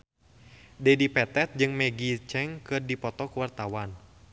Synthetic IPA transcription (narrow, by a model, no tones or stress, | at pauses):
dɛdipɛt̪ɛt̪̚d͡ʒɨŋmɛɡit͡ʃɛŋkɨrdipɔt̪ɔkuwart̪awan